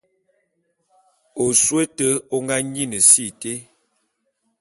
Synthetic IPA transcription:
o˨swe˦tə˦o˦ŋɡa˦ɲi˦nə˨si˦˨te˦

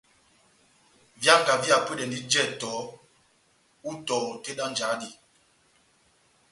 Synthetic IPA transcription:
vja˦ŋ˨ka˨vi˦a˨pə˦ɗɛ˨ndi˦d͡ʒɛ˦˨tɔ˨˦ | u˦tɔ˨ɔ˨te˦ɗa˦nd͡ʒa˨˦ɗi˨

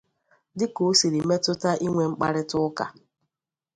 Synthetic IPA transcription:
dɪ˦ko˨˦si˨ɾi˨me˦tʊ˦ta˦ʔi˦ŋʷe˨ŋ͡m̩˦k͡pa̰˦ɾɪ˦tʊ˦ka̰˨

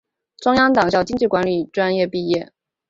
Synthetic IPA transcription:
ʈ͡ʂʊ˥ŋjɑ˥ŋt̪ɑ˨˩ŋɕjɑ˥˩ʊt͡ɕi˥ŋt͡ɕi˥˩kwa˧˥nly˨˩ʈ͡ʂwa˥njɛ˥˧pi˥˧jɛ˥˩

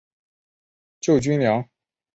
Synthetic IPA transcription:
t͡ɕjo˥˩ʊt͡ɕy˥nljɑ˧˥ŋ

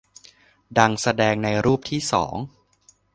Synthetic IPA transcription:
da˧ŋsa˧dɛː˧ŋna˧jɾuː˥˩p̚t̪ʰiː˥˩sɔ̰ː˩˦ŋ

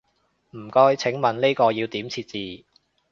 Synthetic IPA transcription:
m̩˨˩kɔː˥jt͡sʰɪ˨˥ŋmɐ˨nli˥jkɔː˧jiː˧wt̪iː˨˥mt͡sʰiː˧t̚t͡siː˨˧

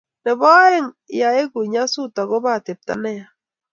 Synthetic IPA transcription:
nɛ˨βɔ˦e˦ŋ | ja˨e˦ɣu˨ɲa˦su˦ta˨ɣo˦βa˦˨te˨p̚ta̰˨˦nɛ˦a˨

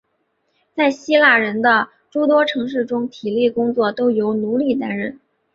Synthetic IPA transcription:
t͡sa˥˩ɪɕi˥la˥˩ɻə˧˥nd̪ə˧ | ʈ͡ʂu˥t̪̬wɔ˥ʈ͡ʂʰɤ˧˥ŋʂɻ̩˥˩ʈ͡ʂʊ˥ŋt̪ʰi˨˩li˥˩kʊ˥ŋt͡swɔ˥˩t̪o˥ʊjo˧˥ʊnu˧˥li˨˩t̪a˥nɻə˥˩n

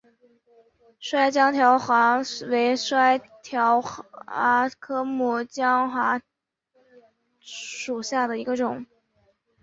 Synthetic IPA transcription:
ʂwa˥ɪt͡ɕjɑ˥ŋt̪ʰjɑ˧˥ʊxwa˧˥we˧˥ɪʂwa˥ɪt̪ʰjɑ˧˥ʊxa˧˥kʰɤ˥mu˥˩t͡ɕjɑ˥ŋxwa˧˥ | ʂu˨˩ɕja˥˩d̪ə˩i˧˥ɡə˧ʈ͡ʂʊ˨˩˦ŋ

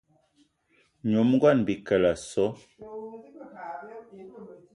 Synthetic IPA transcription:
ɲo˨˦m˦ɡwa˦˨nbi˨kə˨la˨sɔ˨˦

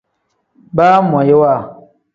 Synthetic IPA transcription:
baː˦m˨a˨je˦wa˦˨

